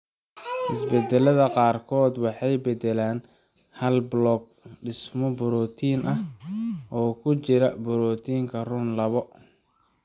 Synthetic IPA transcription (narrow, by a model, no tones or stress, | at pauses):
ʔɪsbɛd̪ɛlɐðɐqɑːrkʰɔːd̪wɑħɑjbɛd̪ɛlaːn | hɐlblɔɡ̚ɖɪsmɔbʊɾɔːt̪ʰiːnʔɐ | ɔːkʰʊt͡ʃɪɾɐbʊɾɔːt̪ʰiːŋkʰɐrʊnlɐβɔ